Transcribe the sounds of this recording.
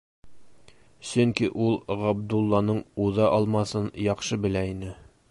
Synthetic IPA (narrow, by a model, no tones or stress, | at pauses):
sɵŋkiʔulˠʁɑb̚d̪ulˠːɑnɤɴuðɑʔɒlˠmɑsɤnjɒqʃɤbɘ̆læinɘ